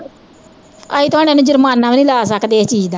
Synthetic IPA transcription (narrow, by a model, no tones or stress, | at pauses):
a̰ːiːt̪ʊaːɽ̃ẽːnũːd͡ʒəɾmaːnːãːʋnĩːlaːsəkd̪eːt͡ʃiːd͡ʒd̪aː